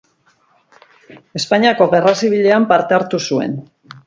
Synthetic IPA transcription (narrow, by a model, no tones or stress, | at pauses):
e̞spaɲiako̞ɣe̞rasiβ̞iʎe̞ampaɾt̪e̞aɾt̪usue̞̰n